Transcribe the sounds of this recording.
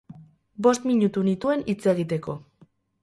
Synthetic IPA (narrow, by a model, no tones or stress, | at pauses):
bo̞st̪miɲut̪unit̪ue̞nit͡se̞ɣit̪e̞ko̞